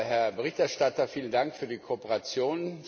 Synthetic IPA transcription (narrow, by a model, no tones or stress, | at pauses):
hɛɐbəʁɪçtɛɐʃtatɐfiːlən̩daŋkfyːɐdiːkʰopəʁat͡sjoːn